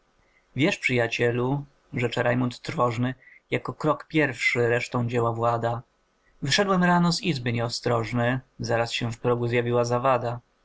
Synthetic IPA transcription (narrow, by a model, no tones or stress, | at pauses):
vʲjɛʂpʂɘjat͡ɕɛlu | ʐɛt͡ʂɛɾajmunt̪ːɾvɔʐnɘjakɔkɾɔkpʲjɛɾfʂɘɾɛʂt̪ɔ̃w̃d͡ʑɛwavwad̪a | vɘʂɛd̪wɛmɾanɔzizbɘɲɛɔst̪ɾɔʐnɛzaɾasɕɛfpɾɔɡuzʲjavʲiwazavad̪a